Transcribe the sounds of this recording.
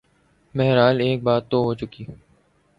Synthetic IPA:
mɛɦɾaːleːk̚baːt̪ːoɦoːt͡ʃʊkiː

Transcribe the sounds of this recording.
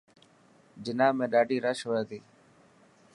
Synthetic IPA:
d͡ʒɪnaːmẽːɗaːɖiːɾəʃɦoːaːt̪iː

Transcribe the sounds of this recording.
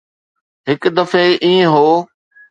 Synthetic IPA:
ɦɪkd̪əfeʔiːẽɦoː

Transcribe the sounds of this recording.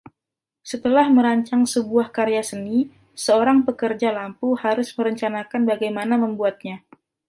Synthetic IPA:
sət̪əlahməɾaɲt͡ʃaŋsəbuahkaɾejasəni | səoɾaŋpəkərd͡ʒalampuhaɾʊsməɾəɲt͡ʃanakanbaɡajmanaməmbuat̪̚ɲa

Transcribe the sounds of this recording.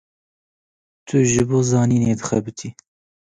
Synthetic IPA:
t̪ʰʊʒɨboːzɑːniːned̪ɨxæbɨt̪ʰiː

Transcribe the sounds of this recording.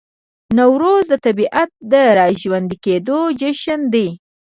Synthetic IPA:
nawɾozd̪ət̪abiʔat̪̚d̪əɾɑʒwand̪iked̪od͡ʒəʃənd̪e

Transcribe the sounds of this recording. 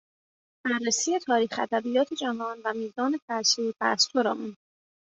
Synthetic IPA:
b̥æɾːesiːje̞t̪ʰɒːɾiːxæ̰d̪æbijɒːt̪ʰe̞d͡ʒævɒːnvæmiːzzɒːne̞fæɾsuːbæ̰st̪ʰoɾɒːmund̪

